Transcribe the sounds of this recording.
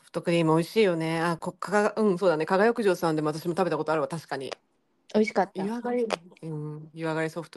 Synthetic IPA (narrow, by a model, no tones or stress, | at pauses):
soɸɯ̥t̪o̞kɯ̟ɾʲiːmɯ̟o̞iɕiːjo̞ne̞akokʰaɡaɡaɯ̟̃ɴso̞ːd̪anekaɡajokɯ̟ʑo̞ːsãnd̪emat̪aɕimo̞t̪abe̞t̪ako̞t̪o̞aɾɯ̟βat̪aɕi̥kaɲ̟ḭ | o̞iɕi̥kat̪ːaiβaɡaɾʲiɯ̃iβaɡaɾʲiso̞ɸɯ̥t̪o